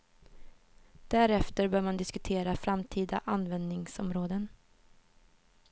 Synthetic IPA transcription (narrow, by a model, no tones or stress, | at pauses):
d̪̥æɾɛft̪əɾbœːɾmand̪ɪskɵt̪ʰeːɾafɾamt̪ʰiːd̪a̰ʔanːvɛnd̪nɪŋsɔmɾoːd̪ən